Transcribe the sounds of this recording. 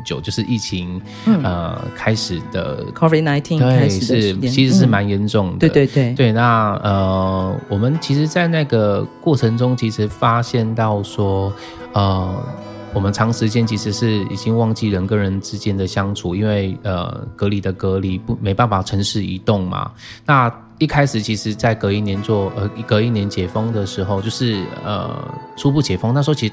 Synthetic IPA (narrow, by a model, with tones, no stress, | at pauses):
t͡ɕjo˨˩ʊt͡ɕjo˥˧ʂɻ̩˥˧ʔi˥˩t͡ɕʰi˧˥ŋ˩ | ə˧kʰa˥ɪʂɻ̩˨˩d̪ə̰˩kʰɔ˦vi˨˩na˧˦ɪt̪ʰi˥nt̪wwe˥˨a˥ɪ˨ʂɻ̩ʰ˥˧i˧˥ʂɻ̩˧˥ʂ̬ɻ̩˥˩ma˧˦nɥɛ˧˥nʈ͡ʂʊ˥˩ŋd̪ə˧˩we˥˧e˩we˥˩ɪna˥˩ə˧˩wɔ˨˩mə˨˦nt͡ɕʰi˧˥ʂ̬ɻ̩˧˥t͡sa˥˧ɪna˥˩ɡə˩kwɔ˥˩ʈ͡ʂʰə˧˥ŋʈ͡ʂʊ˥ŋt͡ɕʰi˧˥ʂɻ̩˧˥fa˥ɕjɛ˥˧nt̪ɑ˥˩ʊʂwɔ˥ | ə˩ | wɔ˨˩mə˦nʈ͡ʂʰɑ˧˥ŋʂɻ̩˧˥t͡ɕjɛ˥nt͡ɕʰi˧˥ʂɻ̩˧˥ʂɻ̩˥˩i˨˩t͡ɕi˦˥ŋwɑ˥˧ŋt͡ɕi˥˩ɻə˨˩nkə˥ɻə˧˦nʈ͡ʂɻ̩˥t͡ɕjɛ˥nd̪ə˨ɕjɑ˥ŋʈ͡ʂʰu˨˩i˥nwe˥˩ɪə̰˨˩kɤ˧˥li˨˩d̪ə˦kɤ˧˥li˨˩pu˥˩me˧˥ɪpa˥˩nfa˨˩ʈ͡ʂʰə˧˥ŋʂɻ̩˥˩i˧˥t̪ʊ˥˩ŋma̰˩ | na˥˧ | i˥˩kʰa˥ɪʂɻ̩˨˩t͡ɕʰi˧˥ʂɻ̩˧˥t͡sa˥˩ɪkɤ˧˥i˥˩njɛ˧˥nt͡swɔ˥˧ʔə˧˥i˥˩kɤ˧˥i˥˩njɛ˧˥˦nt͡ɕjɛ˨˩fɤ˥ŋd̪ə˨ʂɻ̩˧˥xo˥˧ʊt͡ɕjo˥˧ʊʂɻ̩˥˩ə̰˨˩ʈ͡ʂʰu˥p̬u˥˩t͡ɕjɛ˨˩fə˥ŋna˥˩ʂwɔ˥t͡ɕʰi˧˥